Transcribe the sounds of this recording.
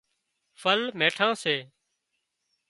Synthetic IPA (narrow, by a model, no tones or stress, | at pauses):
fʰəlmeːʈʰãːseː